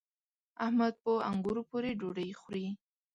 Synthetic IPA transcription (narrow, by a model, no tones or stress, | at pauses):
ahmad̪̚pəa̰ŋɡʊɾopoɾeɖoɖəjxɾi